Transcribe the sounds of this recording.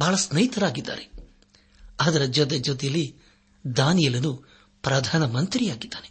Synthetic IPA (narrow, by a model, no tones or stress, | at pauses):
bʱaːɭɐsnɐjit̪ɐɾaːɡid̪ːa̰ːɾe | aːd̪ɐɾɐd͡ʒɔt̪̬ed͡ʒɔt̪̬ɛjɐlːi | d̪aːnijɐlɐnu | pɾɐd̪ʱaːnɐmɐnt̪ɾijaːɡid̪ːaːne